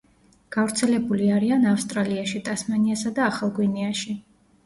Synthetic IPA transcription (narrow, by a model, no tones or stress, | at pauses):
ɡ̥avɾt̪sʰɛlɛbuliaɾianafst̪ʼɾaliaʃit̪ʼasmaniasad̪aːχalˠɡwiniaʃi